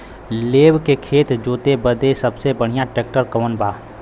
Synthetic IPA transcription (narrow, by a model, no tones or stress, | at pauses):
leːwkekʰeːt̪d͡ʒoːt̪ebəd̪esəbsebəɽ̤ɪjãʈeːk̚ʈəɾkəʋənbaː